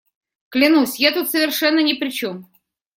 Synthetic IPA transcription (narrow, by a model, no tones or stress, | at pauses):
klʲɪnusʲjat̪ut̪səvʲɪrʂɛnːənʲɪpɾʲɪt͡ɕom